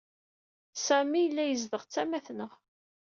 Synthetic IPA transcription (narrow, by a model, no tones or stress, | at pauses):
sæmijəlːæjəzðəʁt͡sːæmæθnəʁ